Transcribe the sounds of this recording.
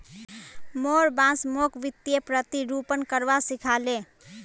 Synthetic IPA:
moɾbãsmokʋit̪jepɾət̪iɾupənkəɾʋasikʰale

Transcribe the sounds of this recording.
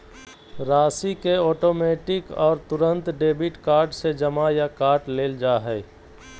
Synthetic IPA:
ɾaːsikeɔːʈoːmeːʈɪkɔːɾt̪ʊɾə̃nt̪ɖeːbɪʈkaːɾɖsed͡ʒəmajakaːɾʈleːld͡ʒaːɦɛː

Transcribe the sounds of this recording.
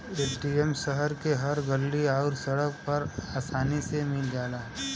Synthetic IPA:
eːsɖiemʃəɦəɾkeɦɐɾɡɐlːiaːɾsɐɽək̚pɐɾaːsaːnisemɪld͡ʒaːlaː

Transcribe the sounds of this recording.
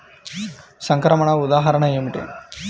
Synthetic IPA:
sɐŋkɾɐmɐɳɐud̪aːɦɐɾɐɳɐeːmiʈḛ

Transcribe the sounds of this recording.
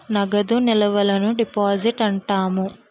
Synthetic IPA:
nɐɡɐd̪unilɐʋɐlɐnuɖipaːd͡ʒiʈɐɳʈaːmu

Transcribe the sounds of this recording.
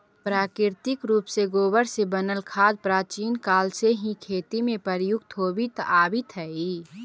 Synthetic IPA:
pɾaːkɾɪɾt̪ɪkɾuːpseɡoːbəɽsebənəlkʰaːd̪̚pɾaːt͡ʃiːnkaːlseɦĩkʰeːt̪imẽpəɾjʊɡt̪ʰoːbit̪aːbit̪ʰɛi

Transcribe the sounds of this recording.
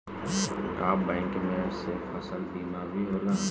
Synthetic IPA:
aːbɛ̃ːŋkmẽseːfəsəlbiːnabʱiɦoːlaː

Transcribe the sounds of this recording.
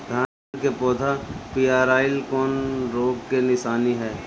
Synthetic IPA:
d̪ʱaː | kepɔːd̪ʱapijaːɾaːɪlkɔːnɾoːɡkenɪʃaːniɦɛː

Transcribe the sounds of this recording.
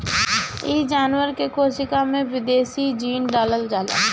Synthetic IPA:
ɪd͡ʒaːnwəɾkekoːsɪkamẽʋɪd̪eːsid͡ʒiːnɖaːləld͡ʒaːla̰ː

